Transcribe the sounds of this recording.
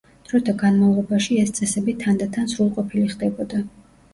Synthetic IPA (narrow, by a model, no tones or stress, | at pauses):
d̪̥ɾɔt̪ʰaɡanmalˠʁɔbaʃiɛst̪sʼɛsɛbit̪ʰand̪at̪ʰansɾulˠqʼɔpʰiliχd̪ɛbɔd̪a